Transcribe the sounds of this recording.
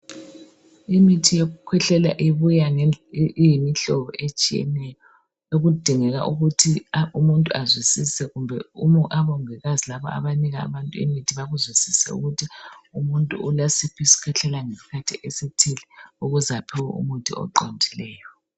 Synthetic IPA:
imitʰijoɣukʰwɛɬɛla̰ʔiβuja | ijimiɬɔβɔʔet͡ʃʼijɛ̰nɛjɔ | eɣud̥ʱiŋɛɣa̰ʔuɣutʰiumuntʼuazwisisɛɣumbʱɛumʔaβɔŋɛɣazilaβɔ̰ʔa̰βaniɣa̰ːβantʼuḭmitʰiβaɣuzwisisɛ̰ṵɣutʰiumuntʼṵulasipʰisi̥kʰɛɬɛlaŋesi̥kʰatʰiʔesitʰilɛuɣuzapʰɛw̰ṵmutʰʼḭɔ̰ǃondʱilɛːjɔ

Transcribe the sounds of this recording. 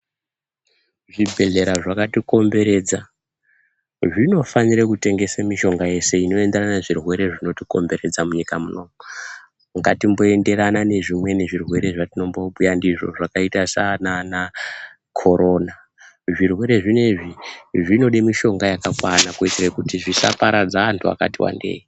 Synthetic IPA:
ʐibʱe̞ɮe̞ɾaʐakatiko̞mbe̞ɾe̞d͡za | ʐino̞faniɾekute̞ŋɡe̞samiʃo̞ŋɡaje̞se̞ino̞e̞nde̞ɾananeʐirwe̞ɾe̞ʐino̞tiko̞̰mbe̞ɾe̞d͡zamuɲikamuno̞mu | ŋɡatimbo̞e̞nde̞ɾanane̞ʐimwe̞ne̞ʐirwe̞ɾe̞ʐatino̞mbo̞ɓujandiʐo̞ʐakaitasanana | kʰo̞ɾʔo̞na | ʐirwe̞ɾe̞ʐine̞ʐiʐino̞ɗemiʃo̞ŋɡajakakwanakuid͡zirekutiʐisa̰paɾad͡zaːntʰua̰ka̰tiwa̰nde̞̰ːi

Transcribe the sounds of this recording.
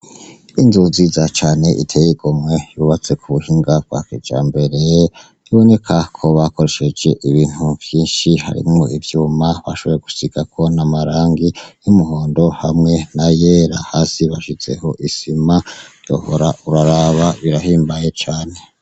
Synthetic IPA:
inzunzizat͡ʃaːne̞ʔitʰejiɡ̥omŋe̞juβat͡se̞kʰuβuhiŋɡavɡwa̰ked͡ʒa̰ːmbe̞ɾe | iβo̞ne̞kʰakʰo̞βako̞ɾe̞ʃe̞d͡ʒe̞ʔiβiːn̥uv̥jiːnʃiha̰ɾḭmŋo̰ivjuːmaβaʃo̞βojeɡusiɡ̥akʰo̞namaɾaːŋɡijumuhoːndo̞hamŋe̞najeɾahasiβaʃit͡se̞̰ho̞ʔisimajo̰ho̰ɾaʔuɾaɾaβaβiɾahiːmbajet͡ʃaːne̞

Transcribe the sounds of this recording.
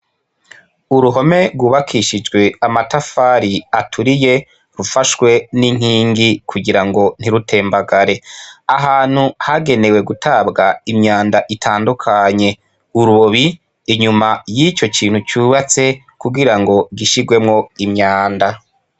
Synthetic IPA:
uɾuɦo̞me̞ɾɡwuːβakʰiʃid͡ʒɡwe̞amatafaːɾiatʰuɾije̞ | ɾufaʃwe̞niŋ̥hiːŋɡikʰuɡiɾaŋɡo̞n̥iɾutʰe̞ːmbaɡaɾe̞aɦaːn̥huhaɡe̞ne̞we̞ɡutʰabɡaimɲaːndaʔitʰaːndukʰaɲe̞ | uɾuβoβiː | ɲumajit͡ʃo̞kʰiːn̥hut͡ʃuːβat͡se̞ | kuɡiɾaŋɡo̞ɡiʃiɡwe̞mŋo̞imɲaːnda

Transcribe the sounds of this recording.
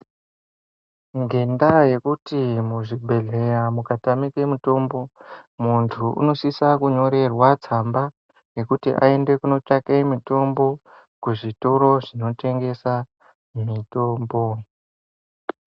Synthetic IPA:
ŋɡendaje̞kutimuʐibʱe̞ɮe̞jamukatamikemuto̞mbo̞muntʰuṵno̞sisakuɲo̞ɾe̞rwat͡samba | je̞kutḭʔa̰e̞nde̞kuno̞t͡ʃakemito̞mbo̞ | kuʐitoɾo̞ʐino̞te̞ŋɡe̞sa | mito̞ːmbo̞

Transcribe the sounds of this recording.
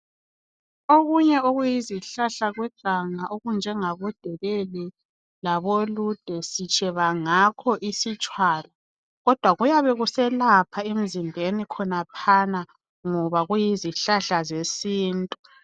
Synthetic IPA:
oɣuɲɛoɣujiziɬaɬaɣwɛɡ̥ʱaŋaʔoɣund͡ʒʱɛŋaβɔd̥ʱɛɣɛlɛ | laβolud̥ʱɛsit͡ʃʼɛβaŋakʰɔʔisit͡ʃʼwaːla | ɣɔd̥ʱwaɣujaβɛɣusɛlapʰaem̩zimbʱenikʰɔnapʰana | ŋɔβaɣujiziɬaɬazesiːntʼu

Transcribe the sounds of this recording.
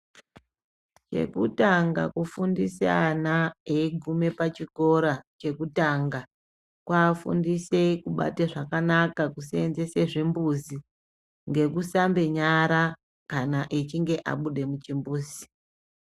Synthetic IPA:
t͡ʃe̞̰kutaŋɡa̰kufundiseanaeiɡʱume̞pat͡ʃiko̞ɾat͡ʃe̞kutaŋɡa | kwaːfṵndise̞kuɓa̰teʐakanakakusenze̞se̞ʐimbuzi | ŋɡe̞kusambe̞ɲaɾa | kanaʔit͡ʃiŋɡe̞ʔa̰ɓuɗe̞mut͡ʃimbuːzi

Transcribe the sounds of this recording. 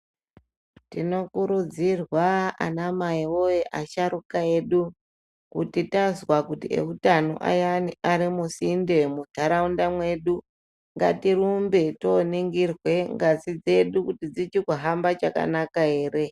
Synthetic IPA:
tino̞kuɾud͡zirwaa̰namaiwoeʔaʃaɾukae̞ɗu | kutitazwakutiḛutano̰ʔa̰janiʔaɾimusinde̞mud̪̥ʱaɾaundamwe̞ɗu | ŋɡa̰tiɾumbe̞toniŋɡirwe̞ŋɡasid͡ze̞ɗukutid͡zit͡ʃikuɦambat͡ʃaka̰nakae̞ːre̞

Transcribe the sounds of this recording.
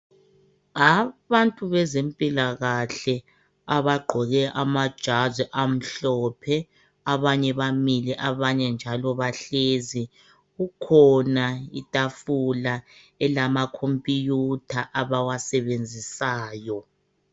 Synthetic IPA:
aβantʼuβɛzempʼilaɣaɬɛ | aβaɡ͡ǃʱɔɣɛʔamad̥ʒ̥ʱazɛʔam̩ɬɔpʰɛ | aβaɲɛβamiliʔaβaɲɛnd͡ʒʱalɔβaɬezi | ɣukʰɔnaḭtʼafula | ɛlamakʰompʼijutʰaʔaβawasɛβend͡zʱisaːjɔ

